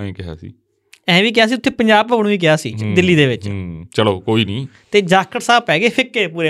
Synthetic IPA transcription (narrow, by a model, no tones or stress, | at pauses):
ɛ̃ːkɪɦa̰ːsḭː | ɛ̃ːʋiːk̬ɪaːs̬iːtʊt̪ʰːeːpəɲd͡ʒaːb̚pəɡɽ̃ũːʋiːk̬ɪaːsḭːd̪ɪlːiːd̪eːʋɪt͡ʃːt͡ʃəloːkoːiːnĩː | t̪eːd͡ʒaːkːəɽsaːbpɛːɡeːpʰɪkːeːpuːɾeː